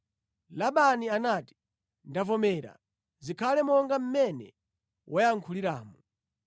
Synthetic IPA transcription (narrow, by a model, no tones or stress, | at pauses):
laɓanianati̥ | ndavɔmɛːɾa̰ | zikʰalɛmɔŋɡam̩mɛnɛ̰ | wʔɔjaŋkʰuliɾaːmu